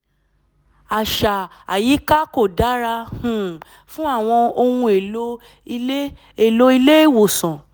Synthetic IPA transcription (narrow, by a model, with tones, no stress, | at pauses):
a˨ʃa˨a˨ji˨˦ka˦ko˦˨da˨˦ɾa˧hũ˨ | fũ˦a˦˨w̃ɔ̃˧o˧hũ˧e˨o˦˧˦ | e˦˨lo˧˦i˧le˦e˦˨wo˨sɔ̃˨